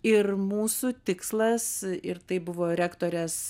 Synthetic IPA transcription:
ɪrmuːsuːt̪ʲɪkslˠɐsɪrt̪ɐɪbʊʋoːɾʲæːkt̪oːɾʲɛs

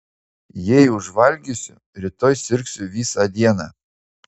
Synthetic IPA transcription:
jɛɪʊʒʋɐlʲɡʲʊsʲʊ | ɾʲɪt̪ɔjsʲɪɾʲksʲʊʋʲiːsɑd̪ʲiɛnɑ̰ː

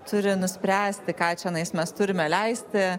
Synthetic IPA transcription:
t̪ʊɾʲɪnʊsʲpʲɾʲæːsʲt̪ʲɪkɑːt͡ʃʲɛnɐɪsmʲɛst̪ʊɾʲɪmʲɛlʲɛɪsʲt̪ʲɪ

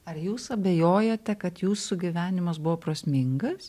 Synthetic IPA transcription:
ɐɾjuːsɐbʲɛjoːjoːt̪ʲɛkɐt̪juːsʊɡʲɪʋʲæːnʲɪmɐsbʊʋoːpɾosʲmʲɪŋɡɐss

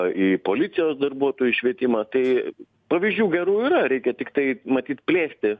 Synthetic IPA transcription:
iːpoːlʲɪtsʲɪjoːsd̪ɐrbuɔt̪oːjuʃʲʋʲiɛt̪ʲɪmɐt̪ɐɪ | pɐʋʲizʲd͡ʒʲuːɡʲɛɾuːiːɾɐɾʲɛɪkʲɛt̪ʲɪkt̪ɐɪmɐt̪ʲiːt̪pʲlʲeːsʲt̪ʲɪ

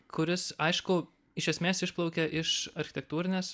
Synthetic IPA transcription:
kʰʊɾʲɪsɐɪʃkʊ | ɪʃʲɛsʲmʲeːsɪʃplˠɒʊkʲɛʔɪʃɐɾʲxʲɪtʲɛk̚t̪uːɾʲɪnʲeːs

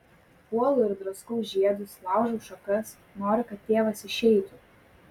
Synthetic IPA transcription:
puɔlˠʊɪɾd̪ɾɐʊskuːʒʲiɛd̪ʊslˠɑˑʊʒoʊʃɔkɐs | noːɾʲɪkɐt̪̚ʲtʲːeːʋɐsɪʃʲɛɪt̪u

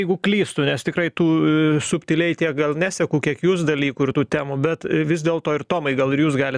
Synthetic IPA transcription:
ɛɪɡʊklʲiːst̪ʊnʲɛst̪ʲɪkrɐɪt̪uːsʊpʲt̪ʲɪlʲɛɪt̪ʲiɛk̚ɡɐlˠnʲæːsʲɛkuːkʲiɛkjuːs̬d̪ɐlʲiːkuːɪrt̪uːt̪ʲæːmubʲɛt̪ʋʲɪzd̪ʲeːlˠt̪oːɪrt̪oːmɐɪɡɐlˠɪɾjuːsɡɑːlʲɪ

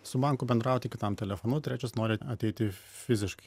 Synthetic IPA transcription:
sʊbɐˑŋkʊbʲɛnd̪ɾɑˑʊt̪ʲɪkʲɪt̪ɐmt̪ʲɛlʲɛfonʊt̪ʲɾʲæːt͡ʃʲʊsnoːɾʲɪɐt̪ʲɛɪt̪ʲɪ | fʲɪzʲɪʃkɐɪ

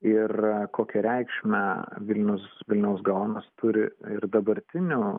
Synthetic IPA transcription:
ɪrkoːkʲɛɾʲɛɪkʃʲmʲɛʋʲɪlʲnʲʊsʋʲɪlʲnʲɛʊsɡɐʋoːnɐst̪ʊɾʲɪɪrd̪ɐbɐɾʲt̪ʲɪnʲuː

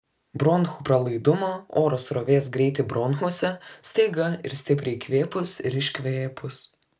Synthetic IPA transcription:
bɾɔnxuːpɾɐlˠɐɪd̪ʊmoːoːɾoːsɾoːʋʲeːs̬ɡɾʲɛɪt̪ʲɪbɾɔnxuɔsʲɛsʲt̪ɐɪɡɐɪ̰ɾsʲt̪ʲɪpʲɾʲɛɪkʋʲeːpʊsɪɾɪʃʲkʲʋʲeːpʊs

